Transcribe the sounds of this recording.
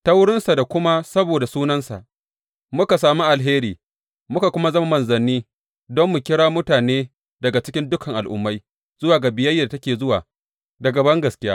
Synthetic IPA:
ta˦wʊ˦ɽɪ˦nsa˨da˨kʷʊ˦ma˦sɐ˦boː˨da˨suː˦nɐ˦nsa̰˨ʔ | mʊ˦ka˨saː˨mu˦ʔa˨lɦeː˦ɾiː˨ | mʊ˦ka˨kʷʊ˦ma˦zɐ˦ma˦mɐ˨nzɐ˨nːiː˦ | dɔ˦mːʊ˨kʲɪ˦ɽaː˦mʊ˦taː˨neː˦ | dɐ˨ɡa˨t͡ʃɪ̥˦kʲɪ˦ndʊ˦kʰɐ˨ŋʔa˨lʔʊ̰˨mːa˦j | z̥ʊ˦waː˨ɡa˨bɪ˨jɐ˦jːa˦˨da˨tɐ˦kʲeː˨zʊ˦waː˨ | dɐ˨ɡɐ˨bɐ˦ŋɡɐ˨skʲɪ˦jaː˦

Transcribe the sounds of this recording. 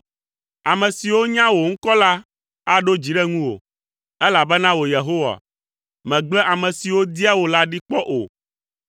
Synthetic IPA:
a˨mɛ̃˨si˨wo˦ɲã˦wo˨ŋ̩˦kɔ˦la˦ | a˦ɖo˦d͡ʑi˨ɖɛ˦ŋũ˦wo̰˨ | ɛ˦la˨bɛ˦nã˦wo˨je˨ɦo˦wa̰˨ | mɛ̃˨ɡ͡blɛ˦ʔa˨mɛ̃˨si˨wo˦d̪i˦a˦wo˨la˦ɖi˦k͡pɔ˦ʔo̰˨

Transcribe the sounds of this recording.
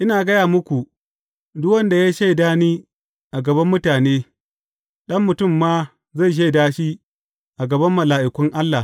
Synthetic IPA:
ʔɪ˦naː˨ɡɐ˦jaː˨mʊ˦kʷu˨ | dʊ˦wɐ˦nda˨jaː˦ʃe˦˨daː˦niː˦ | ʔa˨ɡɐ˨bɐ˦mːʊ˦taː˨neː˦ | ɗɐ˦mːʊ˨tʊ˦˨mːaː˦ | za˦˨jʃ̬e˦˨daː˦ʃi˦ | ʔa˨ɡɐ˨bɐ˦mːɐ˨laː˨ʔɪ˨kʷʊ˦ŋʔa˦lːa˨

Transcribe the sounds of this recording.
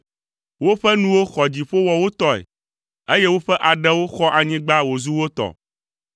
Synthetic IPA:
wo˦ɸɛ˦nũ˦wo˦xɔ˨d͡ʑi˨ɸo˦wɔ˨wo˦t̪ɔ˦ɛ̰˨ | e˦je˦wo˦ɸɛ˦ʔa˨ɖɛ˦wo˦xɔ˦ʔa˨ɲĩ˦ɡ͡ba˦wo˨zu˦wo˦t̪ɔ̰˨

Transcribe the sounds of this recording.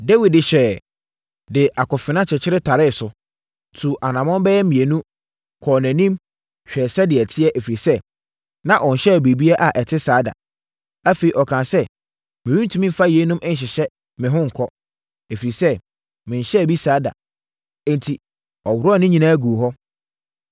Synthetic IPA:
de˦wi˨dɪ˨ɕɛː˨ | dɪ˨ʔa˨kʰɔ˨fɪ˨nã˦t͡ɕʰɪ˨t͡ɕʰɪ˦ɾɪ˦tʰa˨ɾɪ˦˨sʊ˨ | tʰu˨ʔa˨nã˨mɔ̃˦m˦bɛ˦jɛ˦mĩ˨e˨nũ˦ | kʰɔ˨næ̃˨nĩ˦m | ɕᶣɛ˨sɛ˦dɪ˨ɛ˨tʰɪ˦ɛ˦ʔæ˨fi˨ɾi˨sɛ˦˨ | nã˦ʔɔ˨n̩˨ɕɛ˦˨be˨bi˦a˦ʔa˨ʔɛ˨tʰɪ˦saː˨˦da̰˨ | æ˦fe˨i˨ɔ˨kʰãː˨sɛ˦ | mɪ̃˨ĩ˦n˦tʰũ˨˦mĩ˦m˦fa˦je˨˦nũ˦mʔɪ̃˦n̩˨ɕ̬ɪ˨ɕɛ˦ | mɪ̃˨ɦʊ̃˦ŋ̩˨kʰɔ˦ | e˨fi˨ɾi˨sɛ˦ | mɪ̃˨ɲ̩˨ɕɛ˦˨bi˦saː˨˦dã̰˨˦ | ntʰi˨ | ɔ˨wʊ˨ɾɔ˦˨nɪ̃˦ɲĩ˨nãː˦ɡu˨o˨ɦɔ˦

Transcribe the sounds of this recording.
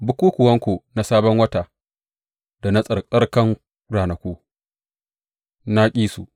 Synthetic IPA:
bʊ˦kuː˦kʷʊ˨wɐ˦ŋkʷo˨na˨saː˦bɐ˦ŋwɐ˦ta˨ | da˨na˦sʼɐ˨rkʼɐ˦rkɐ˦ŋ | ɾaː˨nɐ˨kʷuː˦ | na˦kʲʼiː˦su˨

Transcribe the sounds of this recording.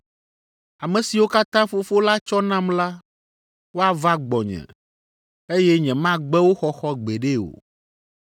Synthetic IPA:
a˨mɛ̃˨si˨wo˦ka˦t̪ã˦fo˨fo˦la˦t͡ʃɔ˦nã˦mla˦ | wo˦a˨va˦ɡ͡bɔ˨ɲɛ̰̃˨ | e˦jɛ˦ɲɛ̃˨mã˦ɡ͡bɛ˦wo˦xɔ˦xɔ˦ɡ͡be˨ɖe˦o̰˨

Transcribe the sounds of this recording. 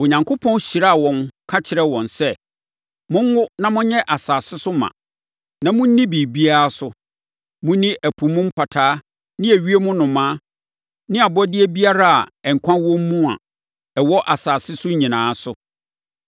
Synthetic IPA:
o˨ɲã˨ŋkʰo˦pʰɔ̃˦n˦ɕi˨ɾa˦a˨wɔ̃˨nkʰa˦t͡ɕʰɪ˨ɾɛ˦wɔ̃˨nsɛ˦ | mʊ̃˦ŋ˦wʊ˦nã˦mʊ̃˦ɲɛ̃˦ʔa˨saː˨sɪ˦sʊ˦mã̰˨ | nã˨mʊ̃˦n̩˦nːĩ˦bi˨bi˦a˦a˦sʊ˦ | mʊ̃˦nĩ˦ʔæ˨pʰu˨mʊ̃˦m̩˦pʰa˨tʰaː˨˦ | nɪ̃˦æ˨ɥi˦e˦mʊ̃˦nʊ̃˨mãː˦ | nɪ̃˦a˨bɔ˦dɪ˦e˦bi˦a˦ɾa˦a̰˨ɛ˨ŋ̩˨kʰʷã˦wɔ̃˦m˦mũ˦a̰˨ | ɛ˨wɔ˦ʔa˨saː˨sɪ˦sʊ˦ɲĩ˨nãː˨˦sʊ˦

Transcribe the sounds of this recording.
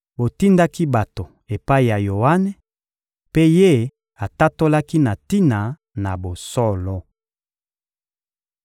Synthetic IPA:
bo˨ti˦nda˦ki˦ba˨to˨ | e˨pa˦i˨ja˨jo˨a˦nɛ˨ | pe˦je˦ | a˨ta˦to˦la˦ki˦na˨ti˦na˨ | na˨bo˨sɔ˦lɔ˦

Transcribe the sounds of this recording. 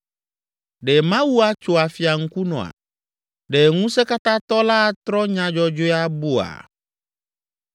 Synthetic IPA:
ɖe˨mã˦wu˦a˦t͡ʃo˨a˨fi˨a˨ŋ̩˦ku˦nɔ̰̃˨a̰˨ | ɖe˨ŋũ˦se˦ka˦t̪ã˦t̪ɔ˦la˦˨t̪ɾɔ˦ɲã˨d͡ʒɔ˦d͡ʒo˦a˦bu˦a̰˨

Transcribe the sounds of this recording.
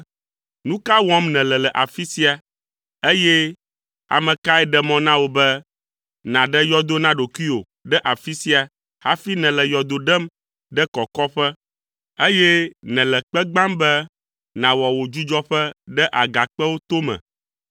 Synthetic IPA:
nũ˦ka˦wɔ̃˦mnɛ̃˨lɛ˨lɛ˨ʔa˨fi˦si˦a˨ | e˦jɛ˦ | a̰˨mɛ̃˨ka˦ɛ˦ɖɛ˦mɔ̃˦nã˦wo˦bɛ˦ | nã˨ɖɛ˦jɔ˦d̪o˦nã˦ɖo˨ki˦o˨ | ɖɛ˦ʔa˨fi˦si˦a˨ | ha˦fi˦nɛ̃˨lɛ˨jɔ˨d̪o˨˦ɖɛ˦m | ɖɛ˦kɔ˨kɔ˦ɸɛ˦ | e˦jɛ˦nɛ̃˨lɛ˨k͡pɛ˦ɡ͡bã˦mbɛ˦ | nã˨wɔ˨wo˨d͡ʒu˦d͡ʒɔ˦ɸɛ˦ɖɛ˦ʔa˨ɡa˨k͡pɛ˦wo˦t̪o˦mɛ̰̃˨

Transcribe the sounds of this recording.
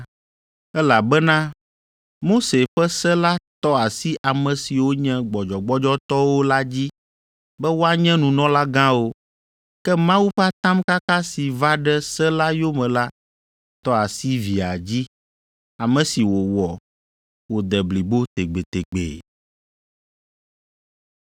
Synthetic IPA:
ɛ˦la˨bɛ˦nã˦ | mo˦se˨ɸɛ˦sɛ˦la˦t̪ɔ˦a˨si˦ʔa˨mɛ̃˨si˨wo˦ɲɛ̃˦ɡ͡bɔ˨d͡ʒɔ˨ɡ͡bɔ˦d͡ʒɔ˦t̪ɔ˦wo˦la˦d͡ʑi˦ | bɛ˦wo˦a˦ɲɛ̃˦nũ˨nɔ̃˦la˦ɡã˦wo˦ | kɛ˦mã˦wu˦ɸa˦t̪ã˦mka˦ka˦si˨va˦ɖɛ˦sɛ˦la˦jo˦mɛ̃˨la˦ | t̪ɔ˦a˨si˦vi˨a˨d͡ʑi˦ | a˨mɛ̃˨si˨wo˨wɔ˨ | wo˨d̪ɛ˨bli˨bo˦t̪e˨ɡ͡be˨t̪e˨ɡ͡bḛ˨

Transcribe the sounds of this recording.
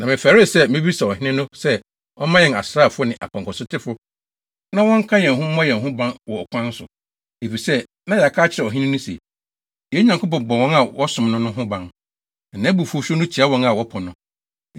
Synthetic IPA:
nã˨mɪ̃˨faː˨ɾɪ˦˨sɛ˦mɪ̃˦bi˦sa˨ɔ˨hɪ̃˦nɪ̃˦nʊ̃˦sɛ˦ | ɔ˦mã˦jɛ˨na˨sɾaː˦˨fʊ˦ʊ˦nɪ̃˨ʔa̰˨pʰã˨ŋkʰɔ˨sʊ˦tʰɪ˦fʊ˦ | nã˦wɔ̃˦ŋ̩˦kʰã˦jɛ̃˨ŋ˨ɦʊ̃˦mɔ̃˦jɛ̃˨nɦʊ̃˦bã˦nwɔ˨ɔ˨kʰʷã˦n˦sʊ̰˨ | e˨fi˨sɛ˦ | nã˦ja˨kʰaː˦t͡ɕʰɪ˨ɾɛ˨ɔ˨ɦɪ̃˦nɪ̃˦nʊ̃˦sḛ˨ | jɛ˦ɲã˨ŋko˦p̬ɔ̃˨bɔ˨wɔ̃˦na˨wɔ˦sʊ̃˨mnʊ̃˦nʊ̃˦ɦʊ̃˦bã˦n̩˨ | nã˨˦bu˨fʊ˦o˦ɕᶣnʊ̃˦t͡ɕʰi˨a˦wɔ̃˦na˨wɔ˦pʰɔ˨nʊ̃˦

